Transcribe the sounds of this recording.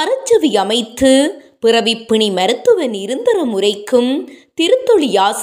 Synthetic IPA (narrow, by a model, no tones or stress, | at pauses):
ɐɾɐt͡ʃːɐʋiɐmɐɪt̪ːɯpɪrɐʋɪpːɪɳimɐɾɯt̪ːɯʋɐnɪɾɯnd̪ɐɾɐmʊrɐɪkːɯmt̪ɪɾɯt̪ːɔɭɪjaːs